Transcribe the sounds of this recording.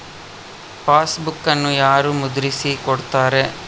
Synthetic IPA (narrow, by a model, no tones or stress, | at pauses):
paːsbukːɐnːujaːɾumud̪uɾisikoɽt̪aːɾe̞